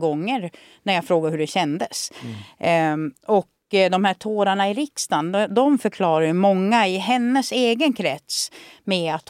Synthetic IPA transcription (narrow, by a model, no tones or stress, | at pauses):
ɡɔŋːəɾ | næɾjaːɡfɾoːɡaɾhɵɖɛɕɛnd̪əs | ɔk | d̪ɔmhæːʈʰoːɾaɳaɪɾɪkst̪and̪ɔmfœɾkʰlɑːɾajɵmɔŋːaɪɦɛnːəseːɡənkʰɾɛt̪smɛat̪